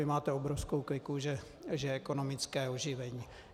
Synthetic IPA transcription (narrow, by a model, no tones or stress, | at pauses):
ɪmaːt̪ɛobɾofskowklɪkuʒɛ | ʒɛɛkonomɪt͡skɛːoʒɪvɛɲiː